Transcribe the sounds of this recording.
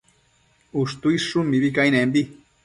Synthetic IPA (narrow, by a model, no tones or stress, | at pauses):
ust̪uisʂumːiβikajnembi